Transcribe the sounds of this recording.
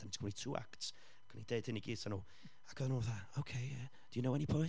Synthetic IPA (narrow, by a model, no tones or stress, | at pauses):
antʰkʰɪnitʰuːʔa̰kts | ɡ̥ʰənideɨd̥ɪniɡiːsanuː | aɡ̥əðnuðaowkʰej | d̥ɪjunowɛnipʰɔ